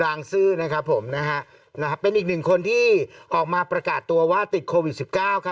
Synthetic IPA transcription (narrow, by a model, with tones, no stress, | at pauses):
ɾaː˧ŋsɯː˥˩na˦˥kʰa˦˥pʰːo˩˦mna˦˥kʰa˦˥ʔ | na˦˥kʰa˦˥pe˧nʔiː˨˩k̚nɯ˨˩ŋkʰo˧nt̪ʰiː˥˩ʔɔː˨˩k̚maː˧pɾa˧kaː˨˩t̪ːu˧ɐwaː˥˩t̪i˨˩t̪̚kʰoː˧wi˨˩t̪̚si˨˩p̚kaː˥˩wkʰa˦˥